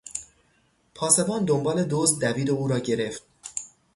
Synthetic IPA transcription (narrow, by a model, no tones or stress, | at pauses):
pʰɒːse̞bɒːnd̪o̞mbɒːle̞d̪oːzd̪̚d̪æviːd̪euːɾɒːɟe̞ɾe̞ft̪̚